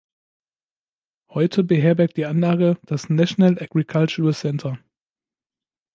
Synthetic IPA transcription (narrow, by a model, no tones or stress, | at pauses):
hɔʏtʰəbəɦeːɐbɛɐkt̚d̥iːʔanlaːɡəd̥asnaʃnalʔaɡ̥ʁikʰalt͡ʃuːəsɛntʰɐ